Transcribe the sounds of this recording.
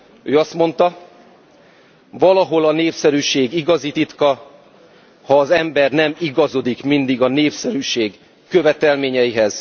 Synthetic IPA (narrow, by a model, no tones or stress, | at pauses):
øːɒst̪mo̞nt̪ɒ | vɒlɒɦo̞lɒneːpsɛɾyːʃeːɡiɡɒzit̪it̪kɒ | hɒːzɛmbɛrnɛmiɡɒzo̞d̪ikmind̪iɡɒneːpsɛɾyːʃeːɡ | kːø̞vɛt̪ɛlmeːɲɛiɦɛz̥